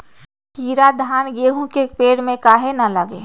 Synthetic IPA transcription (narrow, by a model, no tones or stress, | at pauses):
kiːɾad̪ʱaːnɡeːɦũkepeːɽmẽkaːɦenɐləɡḛː